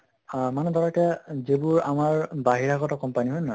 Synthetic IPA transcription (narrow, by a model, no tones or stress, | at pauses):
amanɛd̪ɔɹɔtɛzebuɹamaɹbaɦiɹaɡɔtɔkɔmpaniɦojna